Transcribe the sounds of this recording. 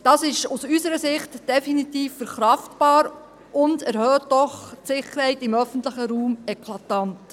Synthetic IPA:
d̥ɑːsɪʃusysəɾəsɪχtd̥ɛfinitiːfːəɾχɾɑftb̥ɑːɾ | ʔʊndæɾhœːt̚d̥ɔχtsɪχəɾhɛɪtɪmœfən̩tlɪχəɾuːmɛkʰlɑtɑnt

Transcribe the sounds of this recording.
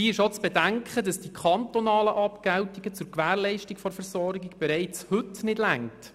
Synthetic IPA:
iːɪʃot͡sb̥ɛdæŋkχədɑsd̥ikʰɑntɔnɑːləʔɑpkɛwtiɡət͡sʊɾkʋæːɾlɛɪʃtɪkfɔɾfɛɾsɔɾɡɪɡb̥ɛɾɛɪt͡shɵtnɪdlæŋt

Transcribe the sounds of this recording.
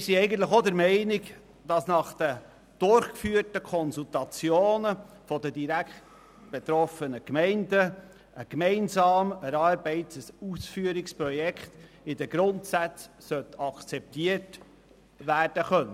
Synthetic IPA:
ɪsiɛɪɡəntləχod̪əɾmɛɪnɪk | d̥ɑsnɑχd̥ə | d̥ʊɾχkfyːɾtəkʰɔnsultɑt͡sjoːnə | fɔdədiɾækχt | b̥et̪ɾɔfənəkmɛɪndə | əkmɛɪnsɑːməɾɑɾbɛɪtəsusfyəɾɪkspɾɔjɛkχt̪ | ɪd̪əɡ̥ɾʊntsæt͡ssœt̪ɑkt͡sɛp̚t̪iət | ʋæːrd̥əχœnːə

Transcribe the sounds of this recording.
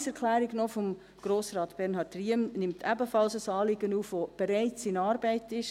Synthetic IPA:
sɛɾkʰlæːɾiɡnɔfɔm | ɡ̥ɾoːsɾɑːtb̥ɛɾnɦɑːtriəmnɪmtʰæbəfɑlsəsɑːlɪɡənuːfʋob̥ɛɾæɪt͡sɪnɑːɾbæɪtɪʃ

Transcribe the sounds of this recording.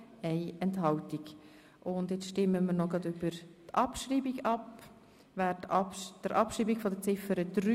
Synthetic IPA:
ɛɪɛnthɑltiɡ | ʔʊndɪt͡sʃtɪmːəməɾnoɡɾɑd̪yb̥əɾtɑpʃɾiːbiɡɑp | væːtd̪̥əɾʔɑpʃɾiːbikfɔd̪ət͡sɪfəɾəd̪̥ɾy

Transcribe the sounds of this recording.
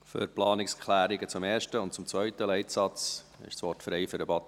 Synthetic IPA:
fø̰ɾplɑːnɪkskʰχlæːɾɪɡət͡sʊmeːɾʃtəʊnt̚t͡sʊmt͡svœʏtəlɛɪtsɑt͡s | ɪ̰ʃsʋɔɾtfɾɛɪfʏɾəbɑt̪

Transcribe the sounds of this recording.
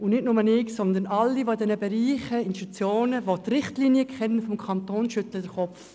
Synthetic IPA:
ʊnnɪtnʊmənɪksɔnd̪ənɑlːiʋodɛnəbɛɾiːχəɪnʃtut͡sjoːnəʋotrɪχtliːnjəkʰχɛnənfɔmkʰɑnt̪oːnʃʏtləd̥əɾχɔpf

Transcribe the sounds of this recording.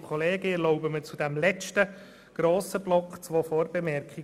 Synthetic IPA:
kʰɔleːɡəɛɾlɔʊbəmət͡sudæmlɛt͡ʃtə | ɡ̥ɾoːsəblɔkχt͡sʋoːfoːɾbemɛɾkχi

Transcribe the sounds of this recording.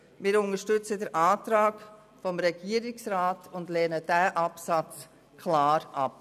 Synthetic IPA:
mɪːɾʊnəʃtʏt͡sədəɾʔaːtɾaːɡ | fɔmɾɛɡ̥iːəɾɪksɾaːtʊndlɛːnəd̥ɛːʔapsat͡s | kʰlaːɾʔap̚

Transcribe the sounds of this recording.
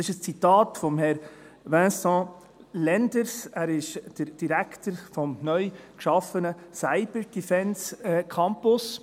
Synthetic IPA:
ɪʃəst͡sit̪ɑːtfɔmhɛɾ | vɛ̃ːsɑ̃ː | lɛnd̪əɾsæːɾɪʃd̥əɾd̥iɾækʰt̪əɾfɔmnœʏkʃɑfənəsaɪb̥əɾd̥ifɛnsɛkʰɑmpʊs

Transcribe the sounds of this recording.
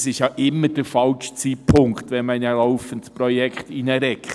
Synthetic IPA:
sɪʃjɑʔɪmːəɾd̥əfɑlʃt͡siːpʰʊŋktʋɛnmaɪnalaʊfəntspɾɔjɛkχtinəɾɛkʰ

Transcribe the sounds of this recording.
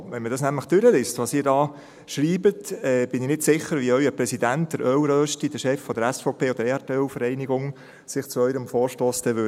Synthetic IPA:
ʋɛnməd̥ɑsnæmləχd̪̥øɾəlɪstʋɑːsiːɾdɑː | ʃɾiːbətɛːb̥ɪnɪnɪtsɪχəɾʋiœʏəpɾɛsidænt̚d̥əɾʔœwɾœːʃtid̥əʃɛfːɔdəɾɛsfɔʊpʰeːɔd̪əɾeɑtœlfəɾɛɪniɡʊŋ | sɪχt͡suœʏɾəmfɔːɾʃtoːsd̥̪ɛʋʏ

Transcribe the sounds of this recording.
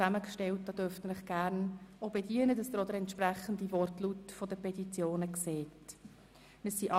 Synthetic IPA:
æməkʃtɛlt̚d̥ɑd̥øɾftənɪχɡ̥æɾnobediənədɑsd̪əɾɔd̪əɾɛntʃpræχən̩divɔrtlutfɔdəpʰɛtit͡sjoːnəkseːt | məsiʔɑ

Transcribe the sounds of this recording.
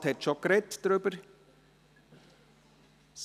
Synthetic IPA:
thɛtʃokɾɛtd̥ɾʏbəɾ | s

